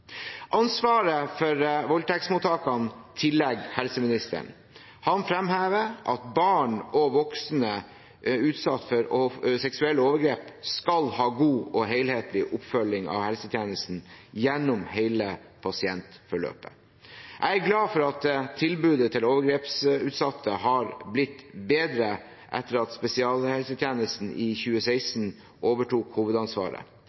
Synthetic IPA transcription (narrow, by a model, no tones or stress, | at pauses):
ʔɑnsʋɑːɾəfɔɾʋɔlʈ̪ʰɛksmuːt̪ʰɑːkɑnt̪ʰɪlːɛɡhɛlsəmɪnɪst̪ə̰ɳ | hɑnfɾɛmhæːʋəʔɑt̪̚bɑːɳɔʋɔksnə | ʉːt̪sɑt̪ːfɔɾsɛksʉɛlːəoːʋəɡɾeːpskɑlhɑːɡuːɔɦeɪlheːt̪lɪʔʊpfœlːɪŋɑ̰ʋhɛlsət̪ʰjæːnəst̪n̩jɛnːʊmheɪlə | pʰɑsɪɛnt̪fɔɭø̰ːpə̥̰ | ʔæɪæɡlɑːfɔɾɑt̪t̪ʰːɪlbʉːd̪ət̪ʰɪloːʋəɡɾeːpsʉːt̪sɑt̪ʰːəhɑɾblɪt̪ːbeːd̪ɾə | ʔɛ̰t̪ːəɾɑt̪spɛsɪɑːlhɛlsət̪ʰjæːnəst̪n̩ʔɪçʉːəsæɪsn̩ | ʔoːʋəʈʰuːkhuːʋəd̪ɑnsʋɑ̰ːɾə̰